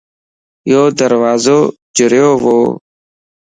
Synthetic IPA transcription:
joːd̪əɾʋaːzoː | d͡ʒəɾjoːʋoː

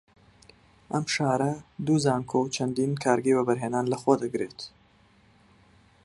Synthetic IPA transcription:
ʔɐmʃaːɾɐd̪uzaːŋkʰowt͡ʃʰɐnd̪iːnkʰaːɾɡejbɐbɐɾɦeːnaːnlɐxwɐd̪ɐɡɾet̪

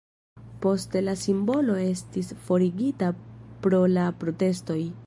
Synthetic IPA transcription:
po̞stelasimbo̞lo̞e̞stisfo̞ɾiɡitapɾo̞lapɾo̞te̞sto̞j

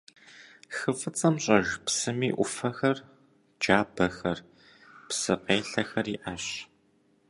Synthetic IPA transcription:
xɨfɨt͡sʼɐmɕʼɐʒpsɨmiːʔʷʊfɐxɐr | d͡ʒaːbɐxɐr | psɨqeːɬɐxɐriːʔaɕ

